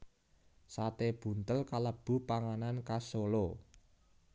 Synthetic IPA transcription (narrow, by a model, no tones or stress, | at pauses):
sat̪eb̥ṳnt̪əlkaləb̥ṳpaŋanankasolo